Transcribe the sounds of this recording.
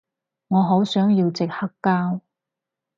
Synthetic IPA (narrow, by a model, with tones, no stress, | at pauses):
ŋɔː˨˧ɦo˨˥wsœː˨˥ŋjiː˧wt͡sɪ˨k̚hɐ˥kːaː˥w